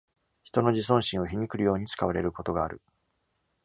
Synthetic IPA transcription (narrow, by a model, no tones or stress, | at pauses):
çi̥t̪o̞no̞d͡ʑis̬õ̞ɰ̃ɕĩɰ̃o̞çiɲʲikɯ̟ɾɯ̟jo̞ːɲ̟it͡sɨ̥kaβaɾe̞ɾɯ̟ko̞t̪o̞ɡaːɾɯ̟